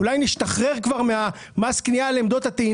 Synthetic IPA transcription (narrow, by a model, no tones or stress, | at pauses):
ulajniʃtaχʁe̞ʁkvaʁmea | masknialeːmd̪o̞t̪hat̪ei